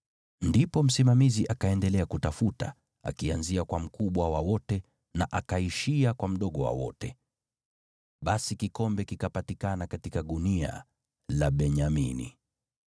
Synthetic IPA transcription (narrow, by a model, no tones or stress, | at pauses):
ndipɔm̩simamiziʔakaɛndɛlɛakutafuta̰ | a̰kianziakwam̩kuɓwawawɔtɛ | naʔakaiʃiakwam̩ɗɔɠɔwa̰wɔ̰tɛ | ɓasikikɔmbɛkikapatikanakatikaɗunia̰ | laɓɛɲamḭnḭ